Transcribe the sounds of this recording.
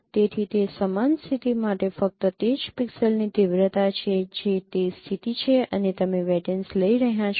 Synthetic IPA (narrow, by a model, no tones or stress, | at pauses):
t̪et̪ʰit̪esəmanst̪ʰit̪imaʈefək̚t̪ət̪ed͡ʒpiksəlnit̪iʋɾət̪at͡ʃʰed͡ʒet̪est̪ʰit̪it͡ʃʰeənet̪əmeʋɛʈənsləiɾəɦɦjãt͡ʃʰ